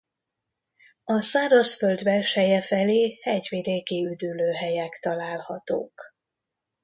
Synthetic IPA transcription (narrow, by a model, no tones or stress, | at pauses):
ɒsaːɾɒsføld̪bɛlʃɛjɛfɛleːhɛɟvid̪eːkiyd̪yløːɦɛjɛkt̪ɒlaːlhɒt̪o̰ːk